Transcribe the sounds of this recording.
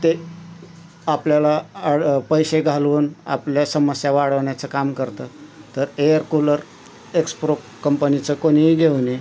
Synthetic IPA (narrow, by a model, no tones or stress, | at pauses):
t̪e | apljala | pəjɕeɡʱaluːna̰pljasəməsjaʋaɽəʋɳjat͡səkamkəɾt̪ət̪əɾejəɾkuləɾ | ekspɾo | kəmpənit͡səkoɽ̃iɦiɡʱewni